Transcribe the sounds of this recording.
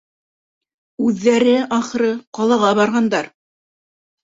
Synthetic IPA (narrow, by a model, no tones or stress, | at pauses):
ʉðːæɾɘʔɑχɤ̆ɾɤqɑlˠɑʁɑβɑɾʁɑnd̪ɑɾ